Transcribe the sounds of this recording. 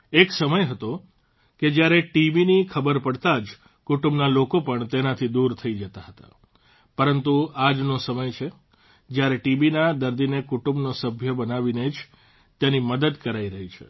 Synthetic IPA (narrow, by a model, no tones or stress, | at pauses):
eksəməjɦət̪o | ked͡ʒjaɾeʈiʋinikʰəbəɾpəɽt̪ad͡ʒ | kuʈumbnalokopəɳt̪enat̪ʰid̪uɾt̪ʰəid͡ʒət̪aɦət̪a̰ | pəɾənt̪uad͡ʒnosəməjt͡ʃʰe | d͡ʒjaɾeʈibinad̪əɾd̪inekuʈumbnosəbʱjəbənaʋined͡ʒ | t̪janiməd̪əd̪kəɾaiɾəɦit͡ʃʰḛ